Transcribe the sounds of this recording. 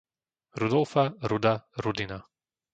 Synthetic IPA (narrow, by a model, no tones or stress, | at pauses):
ɾud̪ɔlfaɾud̪aɾud̪ina